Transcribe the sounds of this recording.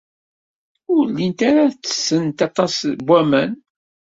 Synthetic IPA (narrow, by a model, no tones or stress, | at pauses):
ʊɾlːint̪aɾat͡sːə̥sːənt̪ɑt̪ˤɑsbʷːæmæn